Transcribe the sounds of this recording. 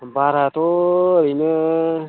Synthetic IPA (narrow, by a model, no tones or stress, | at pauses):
baɾat̪oɾinə